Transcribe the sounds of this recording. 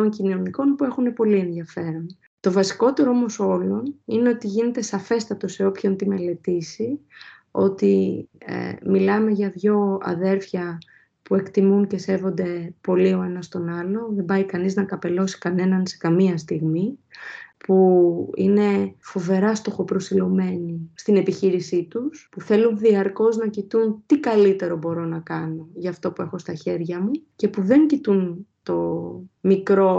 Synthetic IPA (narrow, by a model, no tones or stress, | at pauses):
oɲcinoniko̞npue̞xune̞po̞lie̞nðiɐfe̞ɾo̞n | t̪o̞vɐsi̥ko̞t̪e̞ɾoomo̞so̞lo̞nine̞o̞t̪iʝine̞t̪e̞sɐfe̞st̪ɐt̪o̞se̞o̞pço̞nt̪ime̞le̞t̪isi | o̞̰t̪ḭ | milɐme̞ʝɐðʝo̞ɐ̰ðe̞ɾfçɐ | pue̞kt̪imunce̞se̞vo̞nd̪e̞po̞lio̞e̞nɐst̪o̞nɐlo̞ðe̞mbɐjkɐniznɐkɐpe̞lo̞si̥kɐne̞nɐnse̞̥kɐmiɐst̪iɣmi | puḭne̞fo̞ve̞ɾɐst̪o̞xo̞pɾo̞silo̞me̞nist̪ine̞piçiɾisit̪uspuθe̞lunðiɐɾko̞znɐcit̪unt̪ikɐlit̪e̞ɾo̞bo̞ɾo̞nɐkɐno̞ʝɐːft̪o̞pue̞xo̞st̪ɐçe̞ɾʝɐmuce̞puðe̞ɲcit̪unt̪o̞mikɾo̞